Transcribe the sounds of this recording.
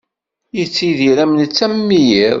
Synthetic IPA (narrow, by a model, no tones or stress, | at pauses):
jət͡sːiðiɾæmənt͡sːæmːijiɾ